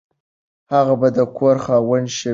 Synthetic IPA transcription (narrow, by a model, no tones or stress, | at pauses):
haɣabad̪əkʰʷoɾχawənʃe